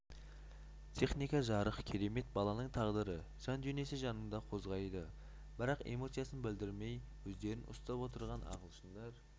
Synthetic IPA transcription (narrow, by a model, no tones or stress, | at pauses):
t̪ʰe̞χnijkɑʒɑɾəqkʲʰe̞ɾe̞me̞t̪̚bɑlˠɑnəɴt̪ʰɑʁd̪əɾə | ʒ̥ɑnd̪ʏneseʒɑnəɴd̪ɑqʰo̞zʁɑjd̪ə | b̥ɪɾɑqḛmo̞t̪sijasənbɪld̪ɪɾme̞jwɵzd̪e̞ɾɪnʔʊ̰st̪ɑpwo̞t̪əɾʁɑnʔɑ̰ʁəlˠʃənd̪ɑɾ